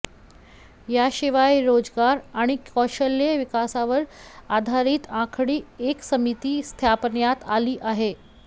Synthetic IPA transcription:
jaɕiʋajɾod͡zɡaɾaɽ̃ikɔɕəljəʋikasaʋəɾad̪ʱaɾiːt̪ãkʰɽiːeksəmit̪iːst̪ʰjapnjat̪aliːʔaɦe

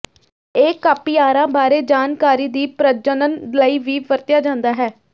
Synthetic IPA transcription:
eːkaːpiːaːɾãːbaːɾeːd͡ʒaːnkaːɾiːd̪iːpɾəd͡ʒənənləiːʋiːʋəɾt̪jaːd͡ʒãːnd̪aːɦɛː

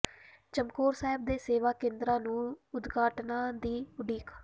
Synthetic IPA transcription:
t͡ʃəmkoːɾsaːɦɪb̚d̪eːseːʋaːkẽːnd̪ɾãːnũːʊd̪ɡaːʈnãːd̪iːʊɖiːk

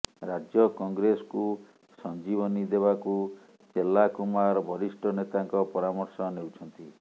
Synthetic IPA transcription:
ɾad͡ʒjɔkɔŋɡɾesɔ̥ku | sɔnd͡ʒibɔnid̪eβaku | selːakumaɾɔbʱɔɾisʈɔnet̪aŋkɔpɔɾamɔɾsɔnewt͡ʃʰɔnt̪i

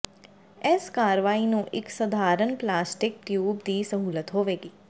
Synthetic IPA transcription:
ɛskaːɾʋaːiːnũːʔɪksəd̪ʱaːɾənplaːsʈɪk̚ʈjuːbd̪iːsəɦuːlət̪ɦoːʋeːɡiː

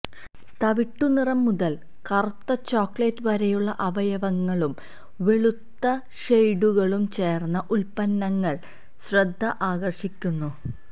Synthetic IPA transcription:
t̪ɐʋiʈːunirɐmːuðɐl | kɐrt̪ːɐt͡ɕoːkɭeːtːʋɐɾejuɭːɐʔɐʋɐjɐʋɐŋːɐɭum | ʋe̞ɭut̪ːɐ | ʂejɖuɣɐɭumt͡ɕe̞ːrnːɐʔulpɐnːɐŋːɐɭ | ɕrɐd̪ʱːɐʔaːɡɐrʂikʲːunːu

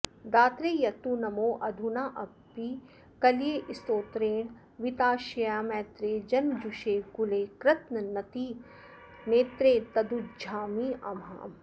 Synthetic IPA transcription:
d̪aːt̪ɾeːjɐt̪unɐmoːʔɐd̪ʱunaːʔɐpːi | kɐlieːʔɪst̪oːt̪ɾeːɽ̃ | ʋit̪aːʃɐjaːmɛ̃ːt̪ɾeːd͡ʒɐnmd͡ʒuʃeːkuleːkɾɪt̪nɐnɐt̪i | neːt̪ɾeːt̪ɐd̪ud͡ʒʱaːmiːɐma̰ːm

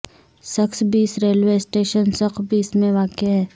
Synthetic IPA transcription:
sɐksbiːsɾeːlʋeːsʈeːʃənsɐqbʱiːsmẽʋaːkeɦɛː

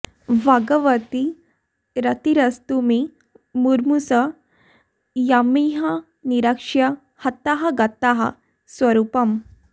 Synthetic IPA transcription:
ʋaɡəʋət̪i | ɾɐt̪iɾɐst̪umi | muɾmusə | jamiɦa | niɾakʂja | hɐt̪ːaɦaɡat̪ːaɦa̰ | sʋəɾupəm

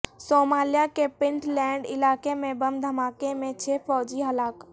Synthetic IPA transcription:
soːmaːlijakepɪ̃ɳʈlɛ̃ːɳɖɪlaːkemẽbɐmd̪ʱɐmaːkemẽt͡ʃʰeːfɔːd͡ʒiɦɐlaːk

